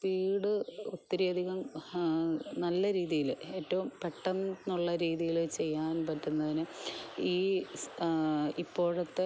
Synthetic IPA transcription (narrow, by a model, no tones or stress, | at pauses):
piːɽɨot̪ːiɾiɐd̪ʱiɣɐm | nɐlːɐɾiːðijile̞ːtːɐʋumpe̞ʈːɐnnuɭːɐɾiːðijilt͡ɕe̞jːaːnpɐtːunːɐðinɨiː | ipːo̞ːɻɐt̪ːe